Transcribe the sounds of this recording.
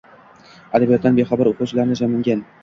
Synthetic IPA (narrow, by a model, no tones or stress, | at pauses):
ad̪abijat̪d̪anbeχabaɾoqʰʊt͡ʃlaɾnɪd͡ʒamɪŋɡʲan